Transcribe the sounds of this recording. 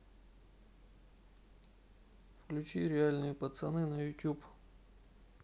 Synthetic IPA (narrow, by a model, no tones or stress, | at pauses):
fklʲʉt͡ɕiɾʲɪalʲnɨjəpət̪sɐnɨnəjʊtʲup